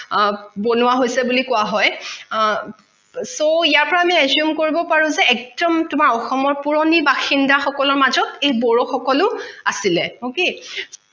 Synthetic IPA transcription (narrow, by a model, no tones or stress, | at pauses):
bonʊwaɦojsɛbulikʊaɦɔj | soijaɹpɔɹaːmiɛzjumkoɹibɔpaɹʊ̃zɛɛk̚dɔmtʊmaɹɔxɔmɔɹpuɹonibaxindaxɔkɔlɔɹmazɔtejbɔɹoxɔkɔlʊasilɛoke